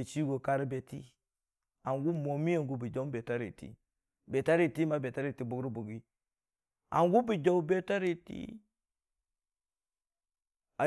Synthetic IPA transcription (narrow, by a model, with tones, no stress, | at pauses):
e˨t͡ʃi˦ɡo˨ka˦ɾi˦be˨tḭ˦ | a˨ŋɡu˦mo˨mi˦e˨ŋɡu˦bi˨d͡ʒo˦be˨ta˦ɾḭ˨tḭ˦ | be˨ta˦ɾi˦˨ti˦ma˦be˨ta˦ɾi˨ti˦bu˨˦ɡɾi˦bu˨ɡi˦ | a̰˨ŋɡu˦bi˨d͡ʒo˦wu˦be˦ta˦ɾi˦˨tḭ˦ | a˨